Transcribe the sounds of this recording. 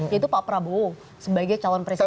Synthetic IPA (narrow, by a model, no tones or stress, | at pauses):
ait̪upapɾabo | səbaɡajt͡ʃalɔnpɾes